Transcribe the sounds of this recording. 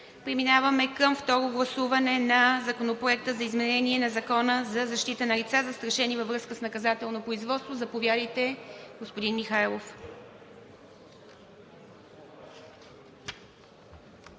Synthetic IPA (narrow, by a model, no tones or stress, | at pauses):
pɾɛminavəmɛkəmft̪ɔɾoɡlˠɐsuvɐnɛnɐzɐkonopɾoɛk̚t̪əzɐizmɛnɛniɛnɐzɐkɔnəzɐzɐʃt̪it̪ənɐlit̪sazɐst̪ɾɐʃɛnivəvɾɤskəsnɐkɐzat̪ɛlˠnopɾoizvɔt̪st̪vozɐpovjad̪əjt̪ɛɡospod̪inmixajlˠof